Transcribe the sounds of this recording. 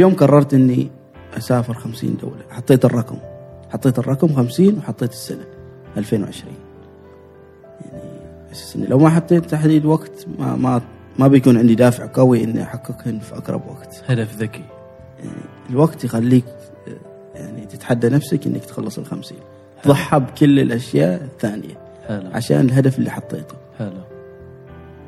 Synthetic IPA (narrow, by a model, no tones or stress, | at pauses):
filjoːmkɑrˤːɑɾˤt̪ʔɪnːi | ʔasaːfɪɾxamsḭːnd̪a̰ːlaħɑt̪ˤːeːt̪ɨrˤːɑkmħɑt̪ˤːeːt̪ɨrˤːɑkmxamsiːnwħɑt̪ˤːeːt̪ɪ̥sːanaʔalfeːnwʕɪʃɾḭːn | jaʕnibħɪssʔɪnːilʔawmaħɑt̪ˤːeːt̪ːaħd̪iːd̪waɡt̪ma̰ma | mabjakuːnʕɪnd̪id̪aːfɪʕqawiʔɪnːḭʔħakːɑkɪnfiʔaɡɾˤɑ̰bwa̰ɡ̥t̪had̪afðaki | ja̰ʕnḭ | ɪlwaɡt̪jxalːiːk̚ | jaʕnit̪ɪt̪ħad̪ːanafsakʔɪ̰nːakt̪xɑlːɑsˤɪ̰lxamsḭːn | ðˤɑħːɑbkʊlːɪlʔaʃjaːʔθːaːnɪja | alʕa̰ʃa̰ːnɪlɦad̪afɪlːiħɑt̪ˤːḛːt̪ʊ̥ħala